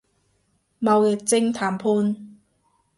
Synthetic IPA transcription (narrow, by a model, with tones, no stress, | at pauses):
ma˧wje˨˩t͡sɪ˥ŋt̪ʰaː˨˦mpʰu˧˥n